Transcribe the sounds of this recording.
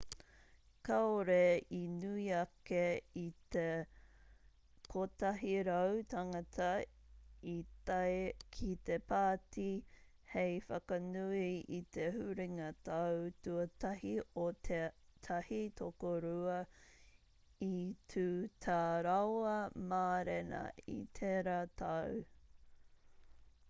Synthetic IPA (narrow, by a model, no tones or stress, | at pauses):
kaoɾeinuiɐkeit̪e | kʰot̪ɐɦiɾɐwt̪ɐŋɐt̪ʰɐ | itakʰit̪epaːti | hejfɐkɐnuiit̪ʰehuɾiŋɐtʰawtuɐtɐɦiotʰet̪ʰɐhitʰokoɾuɐ | itʰʉːtʰaɾawɐmaːɾenɐ̰ḭt̪ʰeɾatʰaw